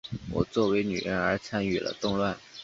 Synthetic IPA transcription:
wʔɔ̰˨˩t͡swɔ˥˩we˧˥ɪny̰˨˩ɻə˧˥nə˞˧˥t͡sʰa˥ny˥˨˩lʔə̰˦t̪ʊ˥˧ŋlwa˥˩n

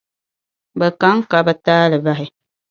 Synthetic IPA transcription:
bɨ˨ka˦ŋka˨bɛ˨taː˦lɨ˨ba˦ɦɪ˨

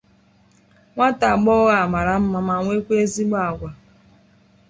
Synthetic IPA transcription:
ŋʷa˦ta˨ɡ͡bɔ˦ɣa˨a˨ma˨ɾa˨m̩˦ma˦ma˨ŋʷe˦kʷe˦zi˦ɡ͡ba˦a˨ɡʷa˨

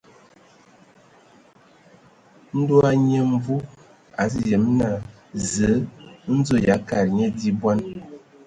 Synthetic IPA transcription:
n̩˦do˦a˦ɲɛ˦m˦vu˦ | a˨˦zje˨˦mna˨ | zə˨˦n̩˦zo˦˨ja˨˦ka˨ɾɲɛ˦di˦bwa˦n

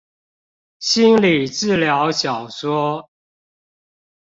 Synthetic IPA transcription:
ɕi˦nli˨˩t͡sɹ̩˥˨ljɑ˨˦ʊɕjɑ˨˩ʊʂwɔ˦

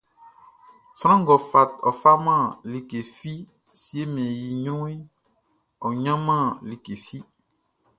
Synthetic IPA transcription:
sɾ̃ã˦ŋ˦˨ɡɔ˨fa˨t̚ɔ̰˨fa˦mã˦˨li˨ke˨fi˦ | si˦e˦mɛ̃˨ji˨ɲɾũ˦i˦ | ɔ˨ɲã˦mã˦˨li˨ke˨fi˦

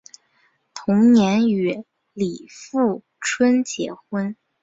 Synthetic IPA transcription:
t̪ʰʊ˧˥ŋnjɛ˧˥ny˧˥ | li˨˩fu˥˩ | ʈ͡ʂʰwə˥nt͡ɕjɛ̰˧˥xwə˥n

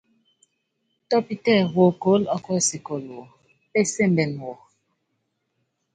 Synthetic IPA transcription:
tɔ˦pi˦tɛ˦˨ɣo˨ko˨˦lɔ˦kɔ˦e˨si˨ko˨lo˨ | e˦se˦˨mbɛ˨n˨wo˨

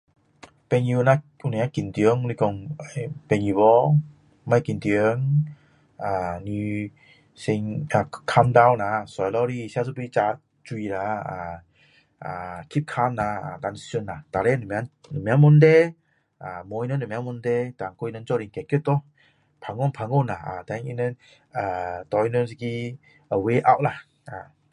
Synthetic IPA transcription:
pɛ˧ŋji˧na˧ | u˧ni˨a˦˧ki˨nt̪ə˦ŋ˧li˧kɔ˧ŋpɛ˧ŋji˧˨bɔ˦ | ma˧jki˨nt̪i˧ə˦ŋ | a˨˩ni˧ | se˧ŋa˨˧kʰa˧mda˧wna˧sɔ˨jlɔ˧ɾi˧sa˧s̬ɔ˧pi˧t͡ʃa˧ | t͡ʃu˧jɾa˧a˨˩ | a˨kʰi˦p̚kʰa˧mna˧a̰˨da˧nssɯ˧nːa˨t̪a˨ɾe˦nu˨ma˧nnu˨m˧a˧mu˧nde˧ | ʔa˨mo˧jnɯ˦nːu˨m˧a˧˦mu˧ndɛ˧ta˨ŋko˧jna˧nt͡ʃɔ˧ɾi˧˨ŋkɛ˨ki˦t̚tɔ˦ | pʰa˨˧ŋɔ˧npʰa˧ŋɔ˧nːa˨a̰˨tɛ˧ŋi˧nɯ˧n | a˨tɔ˧jnɯ˧nsi˧ki˧ | ʔə˧we˧˦ʔa˧wʔla˧˨ | a˨˩

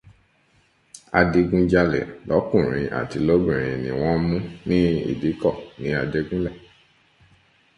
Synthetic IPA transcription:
a˧de˧ɡũ˦d͡ʒa˧lɛ̰˨lɔ˨˦kũ˦˨ɾ̃ĩ˧ʔa̰˨ti˧lo˦ɡ͡bẽ˦˨ɾ̃ĩ˨nĩ˨w̃ɔ̃˦mũ˦nĩ˦ḭ˦˨di˨˦kɔ˦˨nĩ˨˦a˧d͡ʒɛ˦ɡũ˦lɛ˦˨

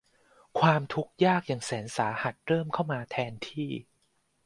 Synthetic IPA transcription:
kʰwaː˧mt̪ʰu˦˥k̚jaː˥˩k̚jaː˨˩ŋsɛː˩˦nsaː˩˦ha˨˩t̪̚ɾɤː˥˩mkʰa˥˩wmaː˧t̪ʰɛː˧nt̪ʰiː˥˩

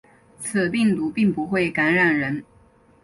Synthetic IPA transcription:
t͡s̩ʰ˨˩pi˥˩ŋt̪u˧˥pi˥˩ŋpu˧˥xwe˥˩ɪka˧˥nɻa˨˩nɻə˧˥n

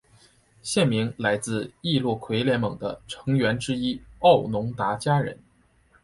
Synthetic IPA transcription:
ɕjɛ˥˩nmi˧˥ŋla˧˥ɪt͡sɹ̩˥˧i˥˧lu˥˩kʰwe˧˥ɪljɛ˧˥nmɤ˨˩ŋd̪ə̰˦ʈ͡ʂʰɤ˧˥ŋɥɛ˧˥nʈ͡ʂɻ̩˥i˥ɑ˥˩ʊnʊ˧˥ŋt̪a˧˥t͡ɕja˥ɻə̰˧˥n

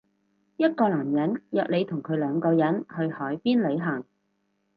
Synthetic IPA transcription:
jɐ˥t̚kɔː˧laː˨˩mjɐ˨˥njœː˨k̚le˨˧jt̪ʰʊ˨˩ŋkʰɵ˨˧ɥlœː˨˧ŋkɔː˧jɐ˨˥nhɵ˧ɥhɔː˨˥jpiː˥nle˨˧jɦɐ˨˩ŋ

